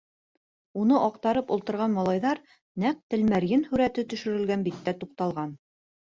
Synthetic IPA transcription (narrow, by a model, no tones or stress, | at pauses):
unɤʔɑqt̪ɑɾɤpulˠt̪ɤ̆ɾʁɑnmɑlˠɑjðɑɾ | næq̚t̪ɘ̆lmæɾjɘnhʉɾæt̪ɘt̪ɵ̆ʃɵ̆ɾɘ̆lɡænbit̪ːæt̪uqt̪ɑlˠʁɑn